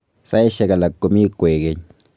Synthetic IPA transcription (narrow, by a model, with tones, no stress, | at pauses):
sa˦e˦ʃa˦ka˨la˨kːo˨mi˦kʷe˨ɡe˦ɲ